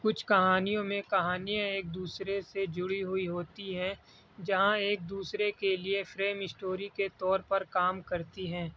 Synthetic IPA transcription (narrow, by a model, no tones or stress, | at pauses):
kʊt͡ʃʰkɐɦaːnijõmẽkɐɦaːnijãeːk̚d̪uːsɾesed͡ʒʊɽiɦʊiɦoːt̪iɦɛ̃ | d͡ʒɐɦãeːk̚d̪uːsɾekeliefɾeːmɪsʈoːɾiket̪ɔːɾpɐɾkaːmkɐɾt̪iɦɛ̃ː